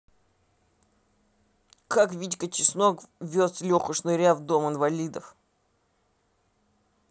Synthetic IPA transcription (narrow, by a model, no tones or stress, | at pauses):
kakvʲitʲkət͡ɕɪsnokvʲoslʲoxʊʂnɨɾʲavd̪o̞mɨnvɐlʲid̪əf